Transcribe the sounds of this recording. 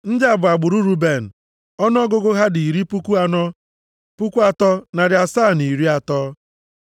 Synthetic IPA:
n̩˦dɪ˦a˨bʊ˨a˨ɡ͡bʊ˨ɾu˦ɾu˦be˨n̩˨ | ɔ˦n˦ɔ˦ɡʊ˦ɡʊ˦ɦa˦di˨i˨ɾi˦pu˦ku˦a˦nɔ˦ | pu˦kʷu˦a˦tɔ˦na˨ɾɪ˨a˨saː˦˨ni˨ɾi˦a˨tɔː˦

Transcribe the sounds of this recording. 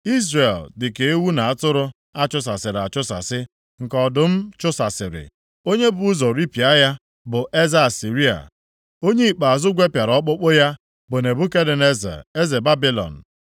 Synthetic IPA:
i˦zre˨ldɪ˨ke˨e˦wu˦na˨a˦tʊ˦ɾʊ˦ | a˦t͡ʃʊ˦s̬a˨sɪ˨ɾa˨t͡ʃʊ˦sa̰˨sɪ˦ | ŋ̩˨kɔ˨dʊ˨m̩˦t͡ʃʊ˦sa˨sɪ˨ɾɪ̰˨ | o˦ɲe˦bʊ˨˦ʊ˦zɔ˨ɾi˦pi˨a˦ja˦ | bʊ˨ʔe˦za˦˨si˨ɾi˦a̰˨ | o˦ɲe˦i˨k͡pa˨a˨zʊ˦ɡʷe˦pja˨ɾɔ˦k͡pʊ˦k͡pʊ˦ja˦ | bʊ˨ne˨bu˦ke˦de˨ne˦za̰˨e˦ze˨ba˦bi˦lɔ̰˨n̩˨

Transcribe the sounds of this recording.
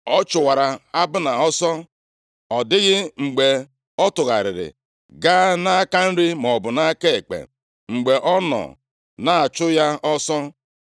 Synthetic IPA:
ɔ˦t͡ʃʊ˨wa˨ɾa˨a˦bʊ˦na˨ɔ˦sɔ˦ | ɔ˨dɪ˦ɣɪ˦ŋ͡m̩˨ɡ͡be˨ | ɔ˦tʊ˨ɣa̰˨ɾɪ̰˨ɾɪ̰˨ | ɡaː˦na˦a˦ka˦n̩˦ɾɪ˦mɔ˨bʊ˨na˦ke˦e˨k͡pḛ˨ | ŋ͡m̩˨ɡ͡be˨ʔɔ˦nɔ̰˨ | na˨a˨t͡ʃʊ˦ja˦ɔ˦sɔ˦

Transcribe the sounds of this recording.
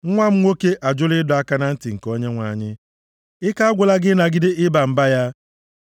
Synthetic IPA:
ŋ̩˦ŋʷa˦m̩˦ŋʷo˦ke˦ʔa˨d͡ʒʊ˦lɪ˦dʊ˨a˦ka˦na˦n̩˦tɪ˨ŋ̩˨ko˦ɲe˦ŋʷa˨ɲɪ˦ | ɪ˦ka˦a˦ɡʷʊ˨la˦ɡɪ˦na˨ɡɪ˦dɪ˦ɪ˦ba˨m̩˨ba˦ja˦

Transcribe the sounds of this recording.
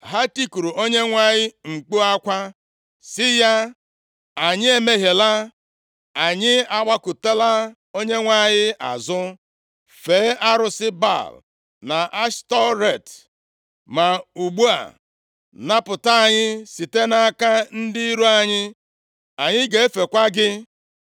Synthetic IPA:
ɦa˦ti˦ku˨ɾu˨ʔo˦ɲe˦ŋʷa˦ɲɪ˦ŋ͡m̩˨k͡pu˦a˦kʷa˦ | sɪ˦ja˦ | a˨ɲɪ˦e˦me˦ɦe˨la˦ | a˨ɲɪ˦a˦ɡ͡ba˦ku˨te˦la˦ | o˦ɲe˦ŋʷa˦˨ɲɪ˦ʔa̰˨zʊ˦ | fe˨˦ʔa˦ɾʊ˨sɪ˦ba̰˦˨l | na˨ʔa˦stɔ˦ɾe˦˨t | ma˨u˨ɡ͡bu˦a̰˨ | na˦pʊ˨ta˦a˦˨ɲɪ˦si˨te˦na˦a˦ka˦n̩˦dɪ˦i˦ɾu˦a˨ɲɪ˦ | a˨ɲɪ˦ɡe˨e˦fe˨kʷa˦ɡɪ˦

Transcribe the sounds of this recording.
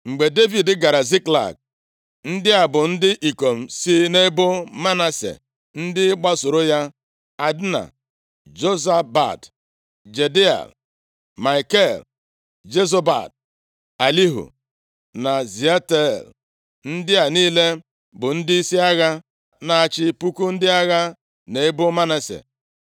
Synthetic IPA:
ŋ͡m̩˨ɡ͡be˨de˦vi˨dɪ˦ɡa˨ɾa˨zi˦kla̰˨k̚ | n̩˦dɪ˦a˨bʊ˨n̩˦dɪ˦ʔi˨ko˨m̩˨si˦ne˦bʊ˦ma˦na˦sḛ˨ | n̩˦dɪ˦k͡pa˦sʊ˨ɾo˦ja˦ | a˨dna̰˨ | d͡ʒo˦za˦ba̰˨t | d͡ʒe˨de˦a̰˨l | ma˨i˨ke˦˨l | d͡ʒe˦zo˦ba̰˨d̚ | a˨li˦ɦṵ˨ | na˨zi˨a˦te˦l | n̩˦dɪ˦a˨niː˦le˦ | bʊ˨n̩˦dɪ˦i˦si˦a˦ɣa˦ | na˨a˦˨t͡ʃɪ˦pu˦ku˦n̩˦dɪ˦a˦ɣa˦ | ne˨˦e˦bʊ˦ma˦na˨sḛ˨

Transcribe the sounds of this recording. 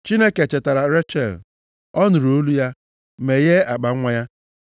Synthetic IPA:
t͡ʃi˦ne˦ke˨t͡ʃe˨ta˨ɾa˨ɾe˦t͡ʃe˨l | ɔ˦nʊ˨ɾo˦lu˦ja˦ | me˨je˦a˨k͡pa˨˦ŋʷa˦ja˦

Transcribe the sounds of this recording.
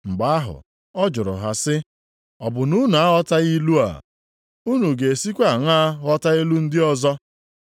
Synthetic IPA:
ŋ͡m̩˨ɡ͡ba˨a˦ɦʊ̰˨ | ɔ˦d͡ʒʊ˨ɾʊ̰˨ɦa˨sɪ˦ | ɔ˨bʊ˨nu˦n˨a˦ɦɔ˦ta˦ɣi˦lu˦a̰˨ | u˦nu˨ɡe˨si˦kʷa˨ŋa˦ɦɔ˦ta˦i˦lu˦n̩˦dɪ˦ɔ˦zɔ˦

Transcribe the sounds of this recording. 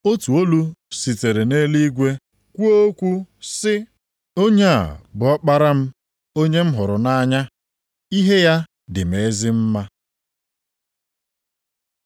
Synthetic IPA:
o˦tu˨o˦lu˦si˨te˨ɾe˨ne˦li˦ɡʷe˦ | kʷu˦o˦kʷu˦sɪ˦ | o˦ɲe˦a̰˨bʊ˨ɔ˦k͡pa˦ɾa˦m̩˦ | o˦ɲe˦m̩˦ɦʊ˨ɾʊ˨na˦ɲa˦ | i˦ɦe˦ja˦ | dɪ˨m̩˨e˨˦zɪ˦m̩˦ma˦

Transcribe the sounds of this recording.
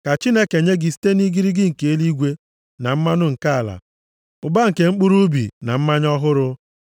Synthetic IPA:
ka˨t͡ʃi˦ne˦ke˨ɲe˦ɡɪ˨si̥˦te˦ni˦ɡi˦ɾi˦ɡɪ˦ŋ̩˨ke˨e˦li˦ɡʷe˦ | na˨m̩˦ma˦nʊ˦ŋ̩˨ka˦a˨la̰˨ | ʊ˨ba˦ŋ̩˨ke˨ŋ͡m̩˦k͡pu˦ɾu˦bḭ˨na˨m̩˦ma˦ɲɔ˦ɦʊ˦ɾʊ˦

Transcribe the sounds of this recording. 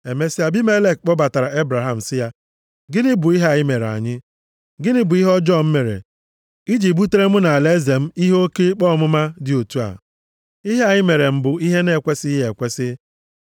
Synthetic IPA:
e˨me˦si˦a˨bi˦me˦le˦˨k̚k͡pɔ˦ba˨ta˨ɾa˨e˦bɾa˨ɦa˨m̩˨sɪ˦ja˦ | ɡɪ˦nɪ˦bʊ˨i˦ɦa˨ɲɪ˦me˨ɾa̰˨ɲɪ˦ | ɡɪ˦nɪ˦bʊ˨i˦ɦɔ˦d͡ʒɔ˦˨m̩˦me˨ɾḛ˨ | i˦d͡ʒi˨bu˦te˦ɾe˦mʊ˦na˨le˦ze˨m̩˦i˦ɦo˦ke˦k͡pɔ˦˨mʊ˦ma˦dɪ˨o˨tu˦a̰˨ | i˦ɦe˦a˨ɲɪ˦me˨ɾe˨m̩˨bʊ˨i˦ɦe˦ne˦˨kʷe˦sɪ˦e˨kʷe˦sɪ˦

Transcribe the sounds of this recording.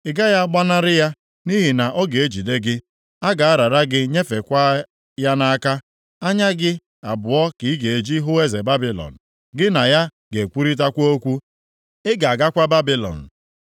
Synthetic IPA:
ɪ˦ɡa˦ja˦ɡ͡ba˦na˦ɾɪ˦ja˦ | ni˦ɦi˨na˨ʔɔ˦ɡe˨e˦d͡ʒi˨de˦ɡɪ˦ | a˦ɡa˨a˦ɾa˨ɾa˦ɡɪ˦ɲe˦fe˨kʷa˦ | ja˦na˦a˦ka˦ | a˦ɲa˦ɡɪ˦ | a˨bʊ˨ɔ˦ki˨i˦ɡe˨e˨d͡ʒi˦ɦʊ˦e˦ze˨ba˦bi˦lɔ̰˨n̩˨ | ɡɪ˦na˨ja˦ | ɡe˨kʷu˦ɾi˦t̬a˦kʷo˦o˦kʷu˦ | ɪ˦ɡa˨a˨ɡa˦kʷa˦ba˦bi˦lɔ̰˨n̩˨

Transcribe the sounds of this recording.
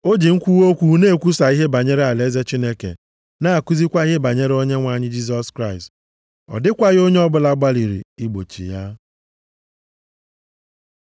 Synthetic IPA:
o˦d͡ʒi˨ŋ̩˦kʷu˦wo˦kʷu˦˨˦ne˦˨kʷu˦sa˨i˦ɦe˦ba˨ɲe˦ɾe˦a˨le˦ze˦t͡ʃi˦ne˦kḛ˨ | na˦a˨ku˦zi˦kʷa˦e˦ba˨ɲe˦ɾe˦o˦ɲe˦ŋʷa˨ɲɪ˦d͡ʒi˦s̬ɔ˦skɾa˦˨ɪ˨st | ɔ̰˨dɪ˦kʷa˦ɣo˦ɲe˦ɔ˦bʊ˦la˦ɡ͡ba˦li˨ɾḭ˨i˦ɡ͡bo̰˨t͡ʃḭ˨ja˦

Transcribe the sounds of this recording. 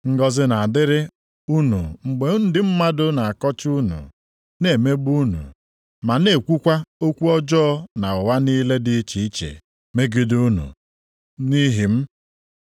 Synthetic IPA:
ŋ̩˦ɡɔ˦zɪ˦na˨a˨dɪ˦ɾɪ˦ | u˦nṵ˨ŋ͡m̩˨ɡ͡be˨˦n̩˦dɪ˨m̩˦ma˦dʊ˦na˨a˨kɔ˦t͡ʃu˦nṵ˨ | ne˨me˦bu˦nṵ˨ | ma˨ne˨kʷu˦kʷa˦o˦kʷu˦ɔ˦d͡ʒɔː˦ɔ˦na˨ʊ˨wa˦ni˦le˦dɪ˦t͡ʃi˨i˦t͡ʃḛ˨ | me˦ɡi˦du˦nṵ˨ | ni˦ɦi˨m̩˦

